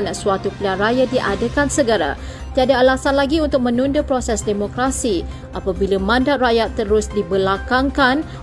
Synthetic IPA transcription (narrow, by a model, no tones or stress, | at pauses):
nsuat̪uplanrajadiʔadəkansəɡəɾa̰ | t̪iadaːlasanlaɡiunt̪ʊk̚mə̃nũndəpɾosɛsdemokɾasi | ʔapabilamãndat̪̚rajat̪ːəɾʊsdibəlakaŋkan